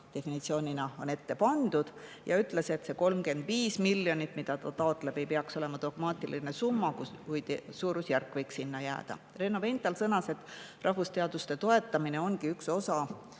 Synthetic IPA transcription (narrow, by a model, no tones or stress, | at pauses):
t̪e̞finit̪sio̞ːnʲinɑo̞ne̞t̪ːe̞pɑnd̪̥ud̪̥jɑ̰yt̪ːˑle̞se̞t̪ːse̞ko̞lmke̞nd̪viːsmilːjo̞nʲit̪ːˑmid̪̥ɑt̪ɑt̪ɑo̞t̪ːˑle̞b̥e̞jpeɑkso̞le̞mɑd̪̥o̞ɡ̥mɑːt̪ˑiline̞sumːɑkkuj̪suːɾusjærkːˑvɤ̞jksːinːɑjæ̰ːd̪̥ɑ̰ | re̞nːo̞ve̞nt̪ːˑɑlsɤnɑse̞t̪ːˑrʔɑhvust̪e̞ɑd̪̥ust̪e̞t̪o̞e̞t̪ːˑɑmine̞o̞nɡiykso̞sɑ